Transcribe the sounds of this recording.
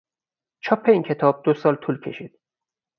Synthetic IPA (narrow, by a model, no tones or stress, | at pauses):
t͡ʃʰɒːpʰːeiːŋcʰe̞t̪ʰɒːb̚d̪osɒːlt̪ʰuːlcʲʰe̞̰ʃiːd̪̥̚